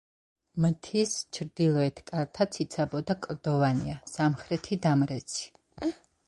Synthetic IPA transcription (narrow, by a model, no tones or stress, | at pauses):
mt̪ʰist͡ʃʰɾd̪ilˠɔɛt̪ʰkʼaɾt̪ʰat̪sʰit̪sʰabɔd̪akʼɾd̪̥ɔvaniasamχɾɛt̪ʰid̪amɾɛt̪sʰi̥